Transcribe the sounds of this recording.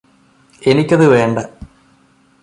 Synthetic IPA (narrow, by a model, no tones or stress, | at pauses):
e̞nikʲːɐðɨʋe̞ːɳɖɐ